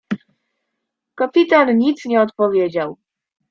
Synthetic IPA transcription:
kapʲit̪anɲit̪sɲɛɔt̪pɔvʲjɛd͡ʑaw

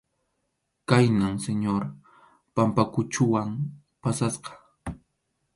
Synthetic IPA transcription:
kajnamseɲoɾ | pampakʊt͡ʃʊwam | pasasqɑ̥

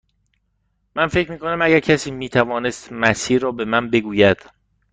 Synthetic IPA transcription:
mænfecʰɾmiːkʰo̞næmæɟæɾcʰæsiːmiːt̪ʰævɒːnest̪mæsiːɾːɒːbe̞mænbe̞ɡuːjæd̪̥

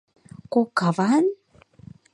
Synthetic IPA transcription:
kokavan

